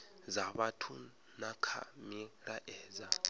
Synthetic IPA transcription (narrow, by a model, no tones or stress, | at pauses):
zaβatʰu | nakʰa̰miɾaʔɛːza